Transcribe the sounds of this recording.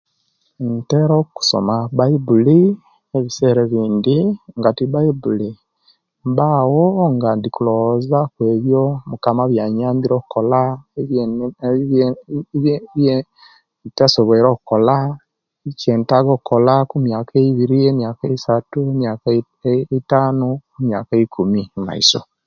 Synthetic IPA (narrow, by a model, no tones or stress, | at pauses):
nteɾoku̥so̰maβaibuli | eβise̞ːɾeβiːndiŋɡatiβaibuli | mbawoŋɡandikulozakweːβjomukamaβjaɲaːmbiɾoku̥kola | βje | tasoβeɾoːkukola | iceːntaɡokukolakumjakeiβiɾiemjakaeisatuemjak | itaːnokumja̰kaikʰumima̰ḭso̰